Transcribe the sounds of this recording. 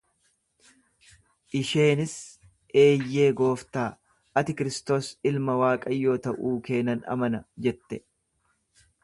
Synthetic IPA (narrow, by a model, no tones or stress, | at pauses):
ʔɪʃe̞ːnɪs | ʔe̞ːjːe̞ːɡo̞ːft̪aː | ʔɐt̪ɪkɪɾɪst̪o̞ːsɪlmɐwaːkʼɐjːo̞ːt̪ɐʔuːke̞ːnɐnɐ̰mɐnɐd͡ʒɛt̪ːɛ